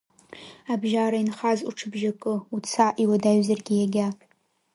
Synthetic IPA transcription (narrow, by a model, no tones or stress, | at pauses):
abʒaɾainχazṵʈ͡ʂʰɨbʒakʼɨut͡sʰaʔiwadaɥzarɡʲɪjaɡʲapʼ